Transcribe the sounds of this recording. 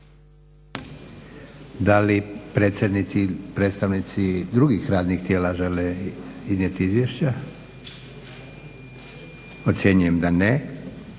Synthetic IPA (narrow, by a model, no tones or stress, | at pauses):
d̪alipɾe̞ːt̪sjed̪nit̪sipɾet̪st̪aʋnit̪sid̪ɾuɡixɾaːd̪nixt̪je̞ːlaʒeleiznjet̪iizʋjeʃt͡ɕa | ot̪sje̞ɲuje̞md̪ane